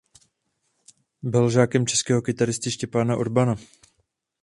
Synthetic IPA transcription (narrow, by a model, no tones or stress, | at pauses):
bɪlʒaːkɛmt͡ʃɛskɛːɦo̞kɪt̪aɾɪst̪ɪʃcɛpaːnaʔoɾbana